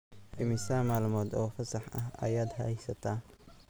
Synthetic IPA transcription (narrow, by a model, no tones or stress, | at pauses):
ʔɪmɪsaːmaːlmɔːd̪ɔːfɐsɐħʔɐ̰ɦɐ̰jaːd̪ɦɐhɛsɐt̪ʰaː